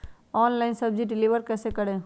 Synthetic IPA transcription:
ɔːnlaɪnsɐbd͡ʒiɖɪliːʋəɾkɛːsekəɽẽ

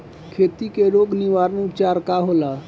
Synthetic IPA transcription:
kʰet̪ikeɾoːɡniʋaɾnʊpt͡ʃaːɾkaɦola

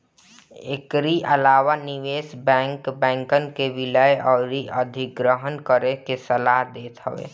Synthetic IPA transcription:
ekɾiʔəlaːwanɪʋeːsbɛ̃ːŋkbɛ̃ːŋkənkeʋɪləeʔɔːɾiʔəd̪ʱɪkɡɾəɦənkəɾekesəlaːɦd̪eːt̪ɦə̰ʋḛː

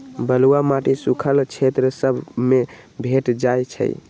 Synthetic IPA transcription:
bəluwamaʈisukʰəlt͡ʃʰet̪ɾəsəbʱmebʱeʈd͡ʒajt͡ʃʰə̰j̰

